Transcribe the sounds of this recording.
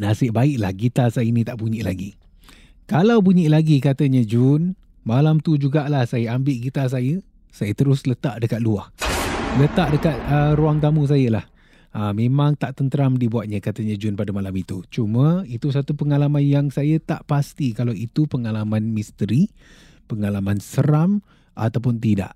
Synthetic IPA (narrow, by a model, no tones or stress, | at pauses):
nasɪʔbaɪʔla̰hɡit̪asajəinĩt̪aʔpuɲiʔla̰ɡi | kalawpuɲiʔlaɡikat̪əɲad͡ʒʊn | malamt̪ud͡ʒuɡaʔlahsajəambɪʔɡit̪as̬ajə | sajət̪əɾʊslət̪aʔdəkat̪̚luahlət̪aʔdəkat̪̚əɾuaŋt̪amũs̬ajəlah | əmẽmãŋt̪aʔt̪ənt̪əɾamdibuat̪̚ɲəkat̪əɲad͡ʒʊnpadəmalamit̪ut͡ʃumə̃it̪us̬at̪upəŋalamanjaŋsajət̪aʔpast̪ikalawit̪upəŋalamanmist̪əɾi | pəŋalamansəɾam | ʔa̰t̪awp̬ʊnt̪ida̰ʔ